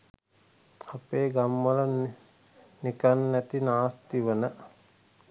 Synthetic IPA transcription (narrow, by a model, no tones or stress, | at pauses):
apeːɡamːələ | nikanːæt̪inaːst̪iʋənə